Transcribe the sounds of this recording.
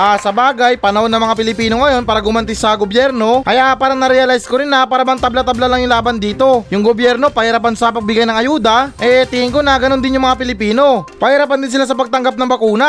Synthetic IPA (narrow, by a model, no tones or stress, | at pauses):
ʔasɐbaːɡɐjpɐnɐʔonːɐŋmɐŋapɪlɪpiːnoŋɐjo̞npaːɾɐɡʊmɐnt̪ɪsɐɡobjɛɾno̞ʔɐjapaːɾɐnɐɾɛɐlajskoɾɪnɐpaːɾɐmɐŋt̪ɐblat̪ɐblalaŋjʊŋlaːbɐnd̪iːt̪o̞jʊŋɡobjɛɾno̞pɐhɪɾap̬ansɐpɐɡ̚bɪɡajnɐŋʔɐjuːd̪ɐʔɛt̪ihɪŋkonɐɡɐnond̪ɪnjʊŋmɐŋapɪlɪpiːno̞pɐhɪɾapand̪ɪnsɪlas̬ɐpɐɡ̚t̪ɐŋɡap̚nɐŋbɐkuːna